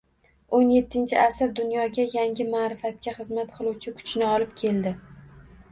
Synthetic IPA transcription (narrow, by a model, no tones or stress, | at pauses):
onje̞t̪ʰːɪnt͡ʃʰɪʔasɪɾd̪ʊnjɒɡʲajaŋʲɪmaːɾɪfat̪̚kʲaχɨzmat̪qʰɨlˠuwt͡ʃʰɪkʰʊ̥t͡ʃnɪɒlˠɪpkʲʰe̞ld̪ɪ